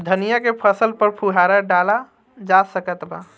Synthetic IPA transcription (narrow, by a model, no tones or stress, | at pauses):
d̪ʱənijakepʰəsəlpəɾpʰuɦaɾaɖala | d͡ʒasəkət̪ba